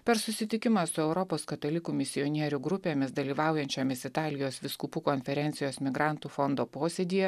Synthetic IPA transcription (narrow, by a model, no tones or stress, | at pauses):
pʲɛɾsʊsʲɪt̪ʲɪkʲɪmɑsʊɛʊɾɔpoːskɐt̪olʲɪkuːmʲɪsʲɪjɔnʲiɛɾʲʊɡɾʊpʲeːmʲɪsd̪ɐlʲiːʋɑˑʊjɛnʲt͡ʃʲomʲɪsɪt̪ɑːlʲɪjoːsʋʲɪskuːpuːkɔnʲfʲɛɾʲɛnʲsʲɪjoːsmʲɪɡɾɑˑnt̪uːfɔnd̪oːpoːsʲeːd̪ʲiːjɛ